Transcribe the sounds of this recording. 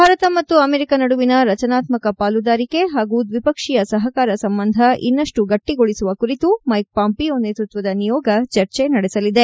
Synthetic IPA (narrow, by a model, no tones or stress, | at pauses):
bʱaːɾɐt̪ɐmɐt̪ːuɐmeɾikɐnɐɽuʋinɐɾɐt͡ʃɐnaːt̪mɐkɐpaːlud̪aːɾike̞ɦaːɡud̪ʋipɐkʂijɐsɐɦɐkaːɾɐsɐmbɐnd̪ʱɐʔḭnːɐʂʈuɡɐʈːiɡoɭisuʋɐkuɾit̪umɐjk̚paːmpiond̪eːt̪ɾut̪ʋɐd̪ɐnijɔːɡɐt͡ʃɐɾt͡ʃenɐɽɛsɐlid̪e̞